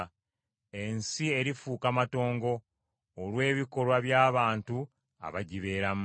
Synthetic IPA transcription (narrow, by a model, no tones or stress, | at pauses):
e̞nsie̞ɾifuːkamato̞ːŋɡo̞ː | lwe̞ːβiko̞lwaβjaːβaːntu | a̰βaɟiβe̞ːɾam